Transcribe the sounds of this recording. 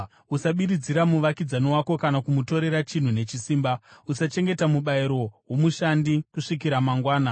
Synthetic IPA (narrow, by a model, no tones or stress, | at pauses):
usaɓiɾid͡ziɾamuʋakid͡zanowako̞kanakumuto̞ɾe̞ɾat͡ʃin̤une̞t͡ʃisiːmbausat͡ʃe̞ŋɡe̞tamuɓaiɾo̞wo̞muʃandikuʂik̬iɾamaŋɡwaːna